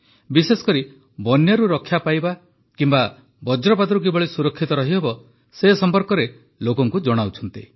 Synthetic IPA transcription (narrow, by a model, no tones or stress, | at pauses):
bisesɔ̥kɔɾi | bɔnjaɾuɾɔkʰːjapajba | kimba | bɔd͡ʒɾɔpat̪ɔɾuk̬ibɔɭisuɾɔkʰːit̪ɔɾɔɦiɦebɔ | sesɔmpɔɾkɔɾe | lokɔŋkud͡ʒɔɽ̃awt͡ʃʰɔnt̪i